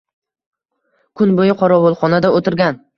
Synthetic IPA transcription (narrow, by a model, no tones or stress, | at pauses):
kʰʊnbojɪqʰɒɾɒwolˠχɒnad̪aot̪ʰɪɾɡʲan